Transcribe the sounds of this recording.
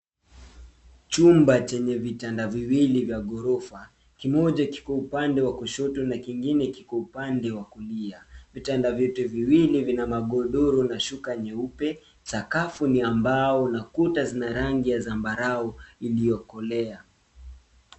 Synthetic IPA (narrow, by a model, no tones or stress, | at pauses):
t͡ʃumbat͡ʃɛɲɛvitandaviwilivjaɠɔɾɔfa | kimɔʄaki̥kɔupandɛwakɔʃɔtɔnakiŋɡinɛkikwɔupandɛwakuliavitandavjɔtɛviwilivinamaɠɔɗɔɾɔnaʃukaɲɛupɛ | sakafuniambaɔnakutazinaɾaŋɡijazambaɾaɔilijɔkɔlɛa